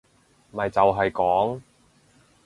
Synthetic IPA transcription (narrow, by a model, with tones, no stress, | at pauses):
mɐ˨jt͡sɐ˨wɦɐ˨jkɔː˨˥ŋ